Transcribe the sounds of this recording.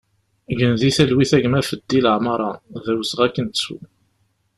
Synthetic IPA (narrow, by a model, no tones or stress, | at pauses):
ʝənðiθælwiθæʝmæfəd̪ːiləʕmɑɾˤɑðæwəsəʁækːənt̪sṵ